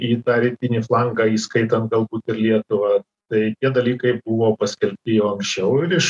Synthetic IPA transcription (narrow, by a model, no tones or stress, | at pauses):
iːt̪ɑːɾʲɪt̪ʲɪnʲiːflˠɑŋɡɑːiːskɐɪt̪ɐnt̪̚ɡɐlˠbuːt̪ɪɾlʲiɛt̪ʊʋɑː | t̪ɐɪt̪ʲiɛd̪ɐlʲiːkɐɪbʊʋoːpɐsʲkʲɛlʲp̚ʲt̪ʲɪjoːɐŋksʲt͡ʃʲɛʊɪɾɪʃ